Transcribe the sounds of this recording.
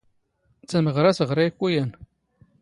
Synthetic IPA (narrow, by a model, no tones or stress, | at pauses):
t͡sːæməʁɾæsəʁɾæjkʷːijæn